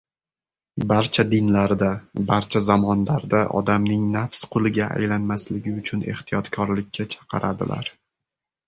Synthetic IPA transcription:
baɾt͡ʃʰad̪ɪnlaɾd̪abaɾt͡ʃʰazamɒnlaɾd̪aʔɒ̰d̪amnɪŋnafsqʰʊlˠɪɡʲaʔa̰jlanmaslɪɡʲɪʊt͡ʃʰʊne̞̰ht̪ʰijɒt̪kʰɒɾlɪkʲʰːat͡ʃʰɑ̥qʰɨɾʔad̪ɪ̰lʔa̰ɾ

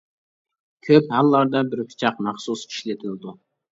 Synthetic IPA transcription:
kʲʰøphɑlˠːɑɾd̪ɑbɪɾpʰi̥t͡ʃʰɑqmɑχsusi̥ʃlɪt̪ʰɪlɪd̪u

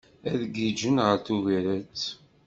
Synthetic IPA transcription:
æðɡid͡ʒənʁəɾθuviɾæt͡s

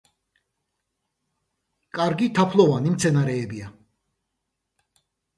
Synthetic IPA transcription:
kʼaɾɡit̪ʰapʰlˠɔvanimt̪sʰɛnaɾɛːbia

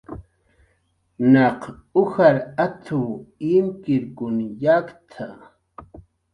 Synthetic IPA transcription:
nɑqʊxaɾat̪ʰʊwimkɪɾkʊnjakt̪ʰa

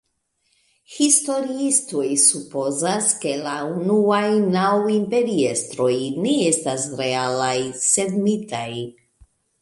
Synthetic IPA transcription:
histo̞ɾiisto̞jsupo̞zaske̞launuajnawimpe̞ɾiestɾo̞jneestasɾe̞alajse̞dmitaj

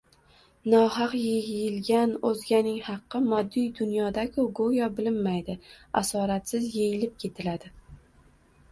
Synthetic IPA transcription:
nɒhɑqjejɪlɡʲanozɡʲanɪŋhɑqːɨmɒd̪ːijd̪ʊnjɒd̪akʲʰʊɡojɒbɪlɪmːajd̪ɪasɒɾat̪sɪzjejɪlɪp̚kʲʰe̞t̪ʰɪlad̪ɪ

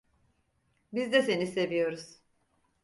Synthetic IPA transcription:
bizd̪ɛse̞nise̞vijo̞ɾuz̥

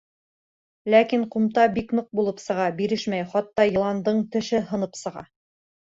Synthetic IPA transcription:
lækiɴqumt̪ɑbiknoq̚bulˠɤpsɤ̆ʁɑbiɾɘʃmæjχɑt̪ːɑjɤ̆lˠɑnd̪ɤɴt̪ɘ̆ʃɘɦɤ̆nɤpsɤ̆ʁɑ̰

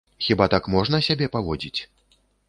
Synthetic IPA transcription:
xʲibat̪akmɔʐnɐsʲabʲɛpavɔd͡zʲit͡sʲ

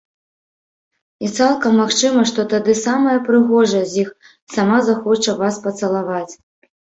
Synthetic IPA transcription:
it̪salˠkɐmːaxt͡ʂɨmɐʂt̪ɔt̪ad̪ɨsamɐjɐpɾɨɣɔʐɐzʲix | samazaxɔt͡ʂɐvaspɐt̪sɐlˠavat͡sʲ

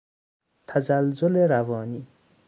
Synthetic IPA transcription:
t̪ʰazalzʊleɾavɑːni

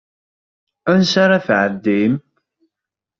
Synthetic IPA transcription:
ænsaɾaθʕəd̪ːim

